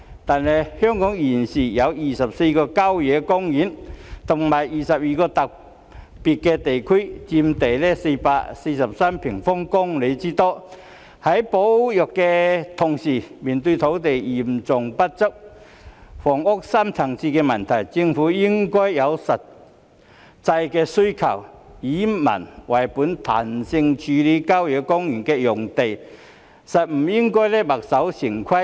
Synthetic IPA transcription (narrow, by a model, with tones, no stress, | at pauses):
t̪aː˨˩nhɛ˨jhœ˥ŋkɔ˨˥ŋji˨˩nsiː˨˩jɐ˨˧wjiː˨˩sɐ˨p̚se˧jkɔː˧ka˥wjɛ˨˥kʊ˥ŋjiː˨˥nt̪ʰʊ˨˩ŋmaː˨˩jiː˨˩sɐ˨p̚jiː˨˩kɔː˧t̪ɐ˨k̚ | pi˨˩t̚kɛ˧t̪e˨jkʰu˥t͡si˧mt̪e˨˩jlɛ˧˩se˧paː˧˥se˧sɐ˨˩p̚saː˥mpʰɪ˨˩ŋfɔ˥ŋkʊ˥ŋle˨˧jt͡si˥t̪ɔː˥˩ | hɐ˨˥jpo˨˥wjɔ˨˩kkːɛ˧t̪ʰʊ˨˩ŋsiː˨˩mi˨˩nt̪u˧t̪ʰo˨˥wt̪e˨˩ji˨˩mt͡sʊ˨˩ŋpa˦˥t̚t͡sə˥k̚ | fɔ˨˩ŋʊ˥k̚sa˥mt͡sʰa˨˩ŋt͡si˧kɛ˧mɐ˨˩nt̪ʰa˨˩jt͡ɕi˧ŋfuː˨˥ji˥ŋkɔ˥jjɐ˨˧wsɐ˨t̚ | t͡sa˧jkɛ˧su˥jkʰɐ̰˨˩wiː˨˦mɐ̰˨˩nwʔa˨˩jpu˨˥nt̪ʰa̰˨˩nsi˧ŋt͡ɕʰy˨˦li˨˥ka˥wjœ˨˧˥kɔ˥ŋjy˨˩nkɛ˧jʊ˨˩ŋt̪e˨˩j | sɐ˨˩t̚m̩˨˩ji˥ŋkɔ˥jle˥ba˨˩k̚sa˨˥wsi˨˩ŋkʰwa˥